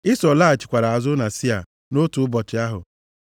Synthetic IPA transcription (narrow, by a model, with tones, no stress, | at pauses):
ɪ˦sɔ˨la˦˨t͡ʃɪ̥˨kʷa˨ɾa˨a˨zʊ˦na˨si˦a̰˨ | no˦tu˨ʊ˦bɔ˨t͡ʃɪ˨a˦ɦʊ̰˨